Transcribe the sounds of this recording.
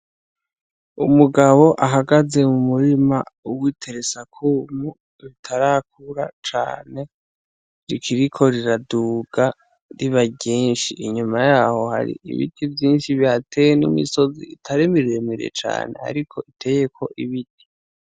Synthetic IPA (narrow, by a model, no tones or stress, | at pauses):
umuɡaβo̞ʔaɦaɡaze̞mumuɾimauwitʰe̞ɾesakʰumu | βitʰaɾak̚uɾat͡ʃa̰ːne̞ | ɾikʰiɾikʰo̞ɾiɾaduːɡ̥a | ɾiβaɟeːnʃiʔiɲumajaːho̞ha̰ɾḭḭβḭtʰivjiːnʃiβiatʰe̞jenḭmḭso̞zḭitʰaɾimiɾiemiɾiḛt͡ʃa̰ːne̞̰a̰ɾikʰo̞itʰe̞je̞kʰo̞ʔiβitʰi̥